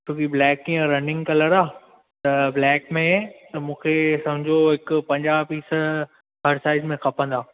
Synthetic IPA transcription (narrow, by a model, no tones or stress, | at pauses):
t͡ɕũːkiblɛːkːĩjə̃ɾɐnɪ̃ŋɡkɐləɾaː | t̪ɐblɛːkmẽt̪ɐmũːkʰesɐmd͡ʑʱoɦɪkpɐ̃ɲd͡ʑaːpiːs | ɦɐɾsaːɪzmẽxʰɐpə̃nd̪aː